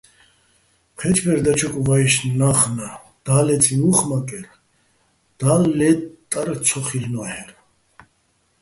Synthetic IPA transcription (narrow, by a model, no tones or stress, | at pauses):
pʰɛt͡ʃʰbɛɾd̪at͡ʃʰɔkʼuvaiʃnnaχna | d̪̥alɛt͡sʼimuχmakʼɛɾ | d̪̥alːɛt̪ʼːaɾt͡sʰɔχilnɔhɛɾ